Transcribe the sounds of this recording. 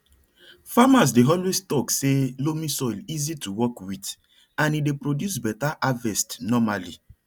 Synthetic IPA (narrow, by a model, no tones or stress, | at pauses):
famas̬deɦɔlwestɔkselomĩsɔilizituwɔkwit | ãnidepɾɹodjus̬bɛtaʔavɛstnɔmalḭ